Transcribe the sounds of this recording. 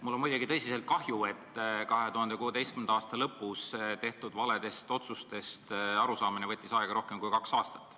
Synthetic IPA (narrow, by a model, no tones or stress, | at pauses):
mulːo̞nmujd̪eɡit̪ɤjsiselt̪̚kɑhjue̞t̪ːˑkɑɦe̞t̪uhɑnd̪e̞kuːe̞d̪e̞jstkymend̪ɑɑːst̪ɑlɤpːˑust̪e̞ht̪ud̪vɑle̞d̪̥e̞st̪o̞t̪sust̪e̞st̪ɑɾusɑːminevɤ̞t̪ːisɑeɡ̥ɑɾo̞hke̞mkujkɑksɑːst̪ɑ̥t̪ːˑ